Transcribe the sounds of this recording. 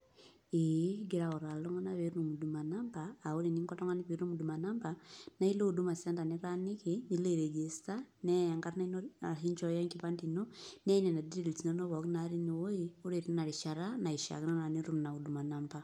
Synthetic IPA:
eɡi˦ɾaɔ˨ɾa˨lɔ˦ŋa˦naβe˦ɾunu˨mu˨duma˨nambaː˨u˦ɾi˨ni˦ŋkɔ˦tɔ˦ŋɡa˦niβi˦ɾu˦u˦mu˨du˨ma˨nambana˦i˦lo˦udu˦ma˨sɛ˦nda˨ni˦ɾa˦ni˦kini˨le˦ɾɛ˨d͡ʒe˨stanɛa˨ŋɡa˦ɾna˦inai˦ɲt͡ʃɔ˦jɔ˦ŋkipa˦ndino˦nɛ˦i˦nɛ˨na˨didii˨lti˨na˦nɔ˦βɔ˨kinaɾi˦ni˨woio˦ɾe˨ɾin˦na˨ɾi˨ʃa˨ɾana˨i˨ʃa̰˨ki˦nɔ˦na˨niɾu˦mna˨udu˨ma˨namba

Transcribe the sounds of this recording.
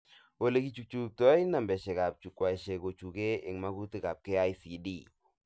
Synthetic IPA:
wo˦le˨˦ki˦t͡ʃu˨k̚t͡ʃuk̚tɔ˦jna˨mbɛ˨ʃɛ˨ka˨p̚t͡ʃu˨kːwa˨i˨ʃe˨ko˨t͡ʃu˨ke˦ɪ˨ŋma˦ku˦ti˨ka˨p̚ke˦a˦jsi˨di˦

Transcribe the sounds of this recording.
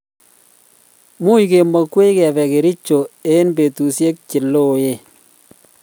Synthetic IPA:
mu˦jke˨mɔ˨kwe˦kɛ˨pɛ˨ke˨ɾi˦t͡ʃo˨e˦nbe˨tu˨sje˦k̚t͡ʃɪ˨lːo˦˨je˨

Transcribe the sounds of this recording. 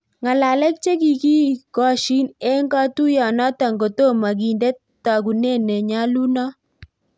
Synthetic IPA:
ŋa˨la˨lɛ˦k̚t͡ʃe˦ki˨ki˦kɔ˦ʃi˦ne˦ŋɡa˦tu˦jɔ˨nɔ˦ta˨ŋɡo˨to˦˨ma˨ɡi˨nde˦t | ta˨ɡu˨ne˦˨ne˨ɲa˦lu˦nɔ˦

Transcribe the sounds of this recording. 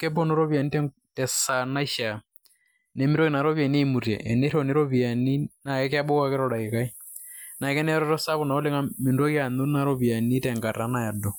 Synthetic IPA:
kɛ˦bo˦no˦ɾɔ˦βi˨a˨ni˦tɛ˦ | tɛ˨sa˨na˦i˦ʃa˨ | nɛ˨mɪ˦ɾo˦ki˨na˨ɾɔ˦βja˨ne˦i˦mu˨ɾjɛ̰˨ʔɛ˨ne˦ɾɔ˨ne˦ɾo˦βi˨a˨ni˦na˨ɛ˦kɛ˦a˦ɓo˦wa˦kɛ˦ɾɔ˨ɾa˨ke˨ka˦i˦ | na˨kɛ˦nɛ˦ɾɔ˦ɾɔ˦sa˦βɔ˨na˨o˦le˦ŋa˦mɪ˨ndo˦ki˦a˨no˦na˨ɾo˦βi˨a˨ni˦tɛ˨ŋɡa˨ta˨na˨ja˨dɔ˨

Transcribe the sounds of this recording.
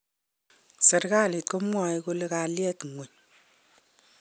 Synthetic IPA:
sɛ˨ɾkaː˦˨le˨t̚ko˦mwa˨i˦ko˧le˦ka˨ljɛ˦tŋo˨ɲ

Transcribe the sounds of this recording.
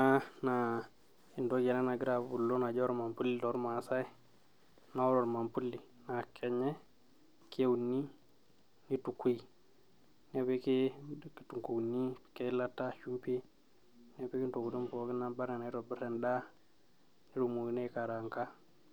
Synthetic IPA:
a˦na˨ | i˨ndo˦ɡe˨na˦na˨ɡi˦ɾa˨bbu˨lːo˦na˨d͡ʒo˦ɾma˨mpu˦li˦do˨˦ɾma˨sa˦i˦ | na˦o˦ɾo˨ɾma˨mpu˦li˨ | na˨kʰe˨ɲe˦ | ke˦wu˨nːi˦ | ni˦tu˨kːi˦ | ne˦pe˦ki˦ki˨tu˨ŋko˨nːi̥˦˨ke˦la˦tːa˦ʃu˦mpi˦ | ne˦pe˦ki˦nto˨ku˨tu˦mpo˨˦ki˦na˦ba˦ɾe˨na˨i˦ɾo˨bi˦ɾe˨nda˦ | ni˦ɾu˨mu˨i˨ne˦ka˨ɾa˨ŋka˦

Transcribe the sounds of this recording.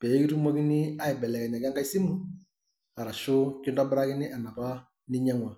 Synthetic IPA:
pɛ˨˦ki˦tu˦mɔ˦kɪ˦nɪ˦a˦ɪ˨bɛ˨lɛ˨kɛ˨ɲa˨ka˦ŋɡa˦i˦si˦mu˦ | a˨ɾa˨ʃʊ˦kɪ˦ndɔ˦bɪ˦ɾa˦kɪ˦nɪ˦ʔa˨na˨ba˦ | nɪ˦ɲɛ˦ŋwa˨

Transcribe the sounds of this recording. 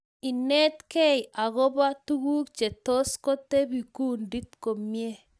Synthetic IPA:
i˨ne˦t̪ke˦ja˨ɣɔ˦ba˦t̪u˦ɣu˦k̚t͡ʃe˨to˦sko˦te˦bi˨ku˦ndi˦t̪ko˨mje˦

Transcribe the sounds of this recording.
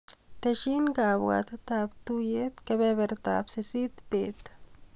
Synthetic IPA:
t̪e˧ʃi˦nɡa˨bwa̰˧t̪at̪a˧bt̪u˦je˦t̪ka˧be˧be˧ɾt̪a̰˨bse˧si˦t̪pe˨d̪

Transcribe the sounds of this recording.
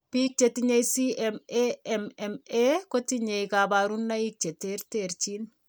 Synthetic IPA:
pi˦k̚t͡ʃe˨tiɲe˦jsi˦ɛmeɛmɛmɛko˦tiɲe˨jkaba˨ɾunːa˦i˦k̚t͡ʃe˨te˦ɾteɾt͡ʃin

